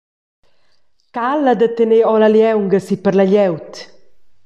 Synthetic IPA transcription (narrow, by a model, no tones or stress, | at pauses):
kalad̪ət̪əneɔlaljɛwŋɡəsipəɾlaʎɛwt̪